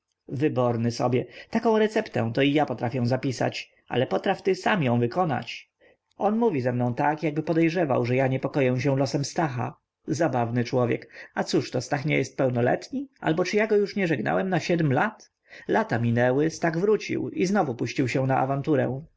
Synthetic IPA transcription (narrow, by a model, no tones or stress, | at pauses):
vɘbɔɾnɘsɔbʲjɛt̪akɔ̃w̃ɾɛt̪sɛpt̪ɛ̰̃w̃t̪ɔijapɔt̪ɾafʲjɛ̃w̃zapʲisa̰t͡ɕ | ʔa̰lɛpɔt̪ɾaft̪ɘsamjɔ̃w̃vɘkɔna̰t͡ɕ | ɔnmuvʲizɛmnɔ̃w̃t̪akjaɡ̚bɘpɔd̪ɛjʐɛva̰wʐɛjaɲɛpɔkɔjɛw̃ɕ̬ɛ̃w̃lɔsɛmst̪axa̰ | zabavnɘt͡ʂwɔvʲjɛ̰kat̪suʂt̪ɔst̪axɲɛjɛst̪̚pɛwnɔlɛ̰t̪ɲiʔa̰lbɔt͡ʂɘjaɡɔjuʂɲɛʐɛɡna̰wɛmnaɕɛd̪mlat̪ | lat̪amʲinɛwɘst̪aɣvɾut͡ɕḭwiznɔvupuɕt͡ɕiwɕɛw̃naʔa̰vant̪uɾɛ̰w̃